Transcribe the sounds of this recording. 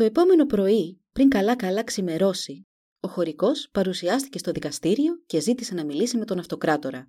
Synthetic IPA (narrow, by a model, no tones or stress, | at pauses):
t̪o̞e̞po̞me̞no̞pɾo̞ipɾiŋkɐlɐkɐlɐksime̞ɾo̞si | o̞xo̞ɾiko̞spɐɾusiɐst̪i̥ce̞st̪o̞ðikɐst̪iɾio̞ce̞zit̪ise̞nɐmilisime̞t̪o̞nɐft̪o̞kɾɐt̪o̞ɾɐ